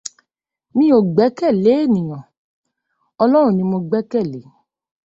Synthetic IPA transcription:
mĩ˦o˨ɡ͡bɛ˨˦kɛ˦˨le˨˦e˦˨nĩ˨j̃ɔ̃˨ | ɔ˧lɔ˦ɾ̃ũ˦˨nĩ˧mo˧ɡ͡bɛ˦kɛ˦˨le˨˦

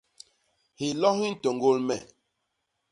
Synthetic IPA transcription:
hi˨lɔ˦ɦi˦n̩˦˨to˨ŋɡo˦lmɛ̰˨

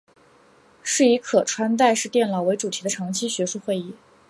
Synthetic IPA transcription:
ʂɻ̩˥˩i˧˥kʰɤ˨˩ʈ͡ʂʰwa˥nt̪a˥˧ɪʂɻ̩˥˧t̪jɛ˥˩nlɑ˨˩ʊwe˧˥ɪʈ͡ʂu˨˩t̪ʰi˧˥d̪ə˧ʈ͡ʂʰɑ˧˥ŋt͡ɕʰi˥ɕɥɛ˧˥ʂu˥˧xwe˥˧ɪi˥˩

